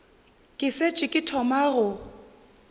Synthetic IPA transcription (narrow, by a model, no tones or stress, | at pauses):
kʼɪset͡ʃʼɪkʼɪtʰɔmaɣʊ